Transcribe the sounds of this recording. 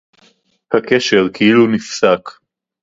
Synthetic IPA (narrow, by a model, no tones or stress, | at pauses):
hakeʃeʁkʰeilunifsak